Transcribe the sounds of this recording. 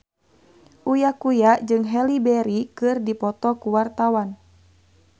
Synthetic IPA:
ʔujakujad͡ʒɨŋɦɛlibɛɾikɨrdipɔt̪ɔkuwart̪awan

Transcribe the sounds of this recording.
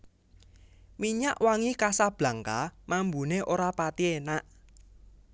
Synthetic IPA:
miɲaʔwaŋikasab̥la̤ŋkamambuneʔoɾapat̪ienaʔ

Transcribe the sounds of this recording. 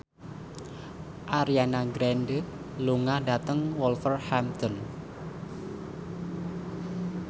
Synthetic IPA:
ʔaɾianaɡɾɛnd | luŋadat̪əŋwɔlfərhamt̪ɔn

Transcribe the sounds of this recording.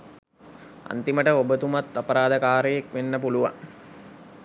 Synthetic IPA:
a̰nt̪iməʈəobət̪umat̪ːapəɾaːd̪əkaːɾəjekʋenːəpuluʋa̰ŋ

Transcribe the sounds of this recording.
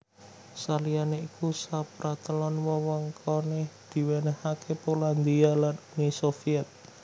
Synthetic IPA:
salijaneikusapɾat̪əlɔnwɔwɔŋkʰɔned̪̥i̤wenɛhakepoland̪ialanunisofiɛt̪̚

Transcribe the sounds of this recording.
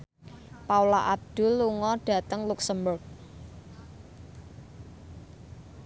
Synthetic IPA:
paulaʔab̚d̪̥ʊ̤lːuŋɔɖ̥ä̤t̪əŋluksəmbʊrk̚

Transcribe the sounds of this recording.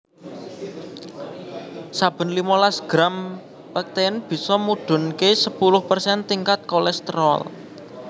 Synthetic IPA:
sab̥ə̤nlimalasɡ̥ɾam | pak̚t̪eənb̥i̤sɔmuɖ̥ʊ̤nkesəpulʊhpərsɛnt̪iŋkat̪̚kolɛst̪əɾɔ̰l

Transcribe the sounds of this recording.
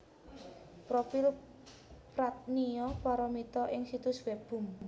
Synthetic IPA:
pɾofil | pɾat̪̚nijɔpaɾɔmit̪ɔʔɪŋsit̪ʊswɛb̥ʊ̤m

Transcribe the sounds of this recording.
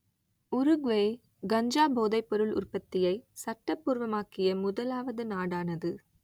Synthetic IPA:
ʊɾɯɡʋeː | ɡɐɲd͡ʒaːboːðɐɪpːɔɾɯɭʊ̰rpɐt̪ːɪjɐɪsɐʈːɐpːuːɾʋɐmaːkɪjɐmʊðɐlaːʋɐðɯnaːɽaːnɐðɯ

